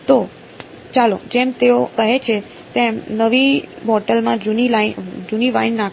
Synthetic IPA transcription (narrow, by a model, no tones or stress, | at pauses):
t̪o | t͡ʃalo̰d͡ʒemt̪eokəɦet͡ʃʰe | t̪emnəʋibɔʈəlmãd͡ʒunilad͡ʒuniʋainnak